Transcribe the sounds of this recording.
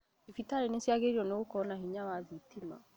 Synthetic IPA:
efitaɾenesjaɣeɾiɔneɣokɔnahiɲawazitima̰

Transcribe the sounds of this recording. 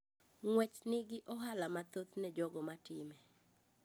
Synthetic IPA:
ŋwɛt͡ʃnɪɡɪʔɔɦalamat̪ot̪nɛd͡ʒɔɡɔmatɪmɛ

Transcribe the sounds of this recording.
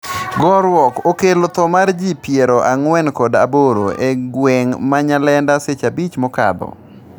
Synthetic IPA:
ɡɔɾwɔkokelot̪ɔmard͡ʒipjeɾoʔaŋwɛnkɔda̰boɾoʔeɡweŋmaɲalɛndaset͡ʃabit͡ʃmɔka̰d̪ɔ̰

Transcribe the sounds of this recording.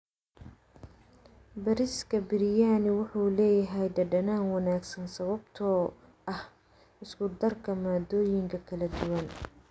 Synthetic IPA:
bɐɾɪskʰɐbɪɾɪjaːnɪwʊħuːlɛːjɐɦɛjɖɐɖɐnaːnwɑnaːɡsɐnsɐβɐbt̪ʰɔː | ʔɐh | ɪskʰʊd̪ɐrkʰɐmaːd̪ɔːjɪŋkʰɐkʰɐlɐd̪ʊwɐn

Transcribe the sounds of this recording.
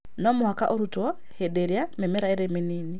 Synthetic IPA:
nomuɦakaʔoɾutɔ | hedeɾjamemeɾaeɾeminiːni

